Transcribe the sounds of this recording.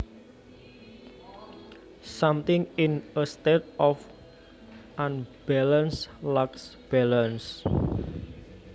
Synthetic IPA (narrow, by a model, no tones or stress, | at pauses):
samt̪ɪŋɪnəst̪et̪̚ɔf | ʔãnb̥alənslaksb̥ɛlans